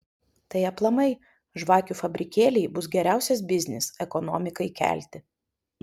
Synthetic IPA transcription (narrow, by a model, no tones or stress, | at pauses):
t̪ɐɪɐplˠɐmɐɪ | ʒʋɑːkʲuːfɐbʲɾʲɪkʲeːlʲɛɪbʊsɡʲɛɾʲæˑʊsʲɛs̬bʲɪzʲnʲɪsɛkɔnɔ̰ːmʲɪkɐɪkʲæ̰ːlʲt̪ʲɪ